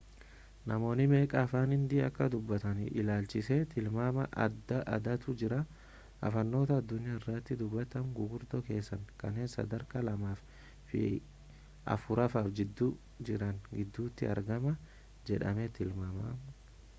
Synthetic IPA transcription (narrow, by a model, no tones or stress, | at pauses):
nɐmo̞ːnɪme̞ːkʼɐːfaːnhɪnd̪ɪɐkːɐd̪ʊbːɐt̪ɐnɪ̰ʔɪ̰laːlt͡ʃɪset̪ʰɪlmaːmɐʔɐ̰d̪ːɐʔɐ̰d̪ɐt̪ʊd͡ʒɪɾɐ | ɐ̰fɐnːo̞ːt̪ɐːd̪ːʊnɪjaːɪrːɐt̪ːɪd̪ʊbːɐt̪ɐmɡʊɡʊɾd̪ɔke̞ːsːɐŋkɐnːe̞ːnsɐ̰d̪ɐɾkɐlɐmaːf | fɪ̰ | ʔɐ̰fʊɾɐfaːfd͡ʒɪd̪ːuː | d͡ʒɪɾɐnɡɪd̪ːuːt̪ːɪɐ̰ɾɡɐmɐ | d͡ʒɛᶑɐmɛt̪ɪlmaːmam